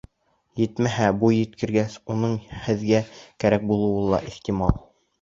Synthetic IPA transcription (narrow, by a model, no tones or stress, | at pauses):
jɘt̪mæɦæbujɘ̆t̪kɘ̆ɾɡæsunɤɴhɘ̆ðɡækæɾæk̚bulˠɤ̆wɤnlˠɑ̰ʔiht̪imɑlˠ